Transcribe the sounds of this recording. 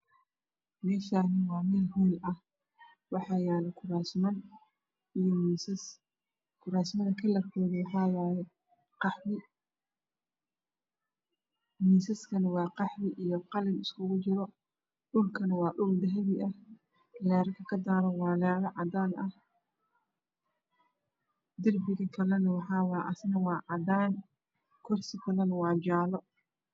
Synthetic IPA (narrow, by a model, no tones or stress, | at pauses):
mɛːʃaːnɐwɑːmɛːlɦujlɐh | wɑħɑjaːlɛkʰʊɾaːsmɐn | ijmisɐs | kʰʊɾaːsmɐðɐkʰɐlɐrkʰɔːðɪwɑħɑːwaːjɛ | qɑħbɪ | miːsɐskʰɐnɐwɑːqɑħbɪʔijɔqɑlɪnɪskʰʊɣʊt͡ʃɪɾɔ | ɗʊlkʰɐnɐwɑːɖʊld̪ɐɦɛβɪʔɐh | lɛːɾɐkʰɐkʰɐd̪aːɾɐwɑːlɛːɾɐʕɑd̪aːnʔɐh | d̪ɪrbɪɣɐkʰɐlɐnɐwɑħɑːwɑːʔɐsnɐwɑːʕɑd̪aːn | kʰʊrsɪkʰɐlɐnɐwɑːd͡ʒaːlɔ